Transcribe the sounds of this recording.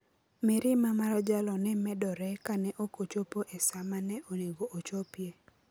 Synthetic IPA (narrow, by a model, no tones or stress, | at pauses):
mɪɾɪmamaɾad͡ʒalɔnɛmɛdɔɾɛkanɛʔokot͡ʃopoʔɛsamanɛʔoneɡoʔot͡ʃopje